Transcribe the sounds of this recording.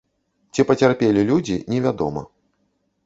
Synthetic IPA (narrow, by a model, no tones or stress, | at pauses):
t͡sʲipɐt͡sʲarpʲelʲilʲud͡zʲinʲɛvʲad̪ɔ̰mɐ̰